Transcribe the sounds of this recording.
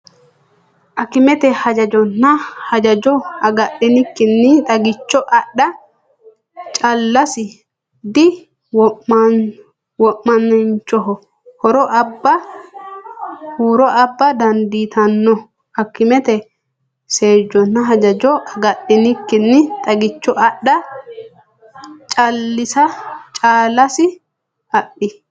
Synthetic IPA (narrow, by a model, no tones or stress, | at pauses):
ʔɐkːɪmɛt̪ɛhɐd͡ʒɐd͡ʒɔnːɐhɐd͡ʒɐd͡ʒɔɐɡɐɗɪnɪkːɪnːɪt̪ʼɐɡɪt͡ʃːɔʔɐɗːɐ | t͡ʃʼɐlːɐsɪ | d̪ɪ | wɔ | wɔʔːɐnːɛnt͡ʃːɔɦɔ | hɔɾɔʔɐbːɐ | huːɾɔʔɐbːɐd̪ɐnd̪iːt̪ɐnːɔ | ɐkːɪmɛt̪ɛ | se̞ːd͡ʒːɔnːɐɦɐd͡ʒɐd͡ʒɔʔɐɡɐɗːɪnɪkːɪnːɪt̪ʼɐɡɪt͡ʃːɔɐɗːɐ | t͡ʃʼɐlːɪsɐt͡ʃʼaːlːɐsɪ | ɐɗːɪ